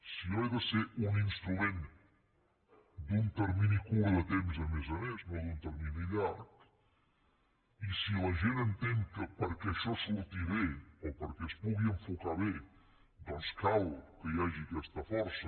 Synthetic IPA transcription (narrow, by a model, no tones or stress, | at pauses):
sioɛðəseʔuninst̪ɾumen | d̪unt̪əɾminikuəðət̪emzəmɛzəmeznoðunt̪əɾminiʎaɾk̪ | isiləʒenənt̪eŋkəpəɾkɛʃɔsəlut̪iβeopəɾkɛspuɣiəɱfukaβe | d̪ɔnskalkəjaʒikɛst̪əfɔɾsə